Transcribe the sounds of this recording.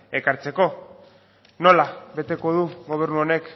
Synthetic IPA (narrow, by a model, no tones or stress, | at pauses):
e̞kaɾt͡se̞ko̞ | no̞laβe̞t̪e̞ko̞ð̞uɣo̞β̞e̞ɾnuo̞ne̞k